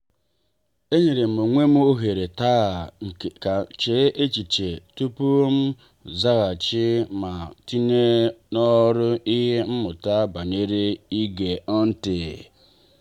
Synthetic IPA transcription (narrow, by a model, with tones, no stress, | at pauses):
e˦ɲe˨ɾe˨m̩˨o˨ŋʷe˦m˦o˦ɦe˨ɾe˨ta˦˨a˨t͡ʃe˦ʔe˦t͡ʃi˨t͡ʃe˨tu˦pu˦m̩˦ | za˦ɣa˨t͡ʃɪ˦ma˨ti˦ne˦nɔ˦ɾʊ˦i˦ɦe˦m̩˦mʊ˨ta˦ba˨ne˦ɾe˦i˦ɡe˨ɔ˦n̩˦tɪ˨